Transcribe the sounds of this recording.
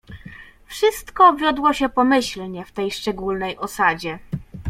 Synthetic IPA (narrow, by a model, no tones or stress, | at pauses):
fʂɘst̪kɔbvʲjɔd̪wɔɕɛpɔmɘɕlɲɛft̪ɛjʂt͡ʂɛɡulnɛjʔɔsad͡ʑɛ